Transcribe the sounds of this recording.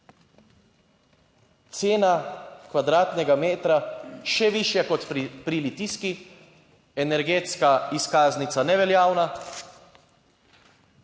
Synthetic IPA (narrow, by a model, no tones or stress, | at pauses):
t̪seːnakʋad̪ɾaːt̪nɛɡameːt̪ɾaʃɛʋiʃjakɔt̪pɾilit̪iski | ɛnɛɾɡeːt̪skaiskaːznit̪sanɛʋɛljaːwna